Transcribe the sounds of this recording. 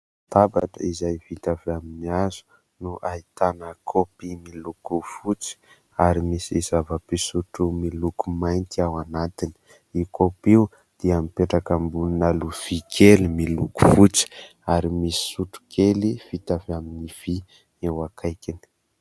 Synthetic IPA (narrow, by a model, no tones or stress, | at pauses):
t̪abaʈ͡ʂə̰izajvit̪aviaminiazu̥ | nuʔait̪anəkʰopimilukufut͡si̥ | aɾimisiizavapisuʈ͡ʂumilukumajnt̪iawanat̪ini̥ | ikʰopiu | d̪̥iamipeʈ͡ʂakambuninaluv̥ikʰelimiluku̥fut͡si̥ | aɾimisi̥suʈ͡ʂu̥kʰeliv̥it̪avaminiv̥i | ewakʰajkʲini̥